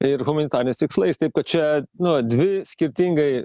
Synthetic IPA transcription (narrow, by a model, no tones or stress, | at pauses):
ɪrɣʊmɐnʲɪt̪ɑːɾʲɪnʲɛɪst̪ʲɪkslˠɐɪst̪ɐɪp̚kɐt̪t͡ʃʲɛnʊd̪ʲʋʲɪsʲkʲɪɾʲt̪ʲɪŋɡɐɪ